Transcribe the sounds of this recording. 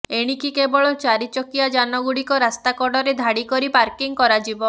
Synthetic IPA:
eɽ̃ikikebɔɭɔt͡ʃaɾit͡ʃɔkijad͡ʒanɔɡuɽikɔɾast̪akɔɖɔɾed̪ʱaɽikɔɾipaɾkiŋkɔɾad͡ʒibɔ

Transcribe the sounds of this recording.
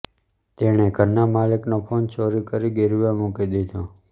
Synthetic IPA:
t̪eɽ̃eɡʱəɾnamaliknopʰont͡ʃoɾikəɾiɡeɾuʋamukid̪ed̪õ

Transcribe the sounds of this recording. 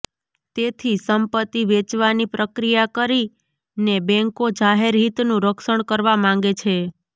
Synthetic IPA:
t̪et̪ʰisəmpət̪ːiʋet͡ʃʋanipɾəkɾijakəɾi | nebɛ̃ŋkod͡ʒaɦeɾɦit̪nũɾəkʃəɳkəɾʋamãŋ̆ɡet͡ʃʰe

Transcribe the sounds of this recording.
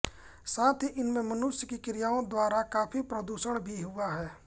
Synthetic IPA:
saːt̪ʰiʔɪnmẽmənʊʃjəkikɪɾijaːõd̪waːɾakaːpʰipɾəd̪uːʃəɽ̃bʱiɦʊaɦɛː

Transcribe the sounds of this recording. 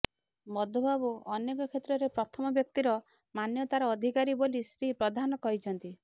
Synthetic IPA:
mɔd̪ʱɔbabuɔnekɔkʰet̪ɾɔɾepɾɔt̪ʰɔmɔbjɔk̚t̪iɾɔ | manjɔt̪aɾɔːd̪ʱikaɾibolisɾipɾɔd̪ʱanɔkɔɦit͡ʃʰɔnt̪i

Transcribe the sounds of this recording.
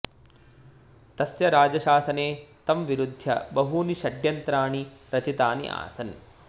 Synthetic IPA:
t̪ɐsjɐɾaːd͡ʒɐʃaːsɐneːt̪ɐmʋiɾud̪ʱjɐ̰bɐɦuːniʃɐɖjɐnt̪ɾaːɳiɾɐt͡ʃit̪aːnḭʔa̰ːsɐn

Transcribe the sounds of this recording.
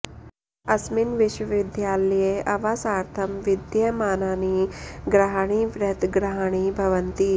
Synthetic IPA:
ɐsmɪnʋɪʃwəʋɪd̪jaːlɐjeʔɐʋaːsaːɾt̪ʰɐmʋɪd̪jɐmaːnaːniɡɾaɦaɽ̃iʋɾɐt̪ɡɾaɦaɽ̃ibʱɐʋənt̪i

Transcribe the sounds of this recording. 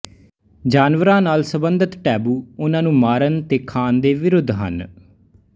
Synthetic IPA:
d͡ʒaːnʋəɾãːnaːlsəbənd̪ʱət̪ʈɛːbuːʊnãːnũːmaːɾənt̪eːkʰaːnd̪eːʋɪɾʊd̪ʱːɦə̰n

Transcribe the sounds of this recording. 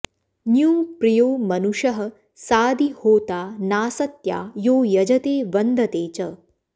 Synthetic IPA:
njuːpɾijoːmɐnuʂɐɦɐ̆ | saːd̪ihoːt̪aːnaːsɐt̪ja̰ːjoːjɐd͡ʒɐt̪eːʋɐnd̪ʱɐt̪eːt͡ɕɐ

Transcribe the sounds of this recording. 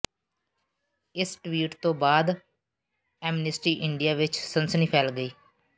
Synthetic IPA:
ɪsʈʋiːʈt̪õːbaːd̪ | ɛːmnɪsʈɾiːʔɪɳɖijaːʋɪt͡ʃsənsəniːpʰɛːlɡəiː

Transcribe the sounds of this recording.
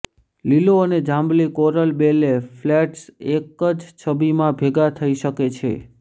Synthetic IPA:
liloəned͡ʒãmblikoɾəlbeleflɛʈsekəd͡ʒt͡ʃʰəbimãbʱeɡat̪ʰəiʃəket͡ʃʰḛ

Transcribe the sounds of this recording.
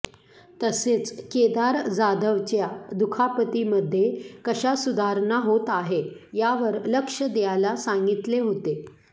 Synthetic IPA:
t̪əset͡sked̪aɾd͡zad̪ʱəʋt͡ɕjad̪ukʰapət̪iməd̪ʱːjekəɕasud̪ʱaɾɳaɦot̪aɦejaʋəɾləkʂəd̪ejalasãŋɡit̪leɦot̪e

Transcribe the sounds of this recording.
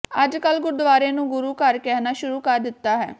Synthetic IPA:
əd͡ʒkəlɡʊɾd̪ʋaːɾẽːnũːɡʊɾuːkəɾkɛːɦnaːʃʊɾuːkəɾd̪ɪt̪ːaːɦɛ̰ː

